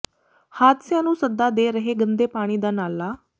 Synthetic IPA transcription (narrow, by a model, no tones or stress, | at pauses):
haːt̪sjãnũːsəd̪ːad̪eɾəɦeɡənd̪epaɽ̃iːd̪analːa